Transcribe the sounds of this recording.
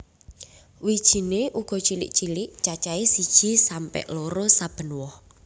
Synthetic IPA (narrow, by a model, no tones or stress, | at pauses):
wid̥ʒ̥i̤neʔuɡ̥ɔ̤t͡ʃilɪ̰ʔt͡ʃilɪʔt͡ʃat͡ʃaesid̥ʒ̥i̤sampɛ̰ʔloɾosab̥ə̤nwɔh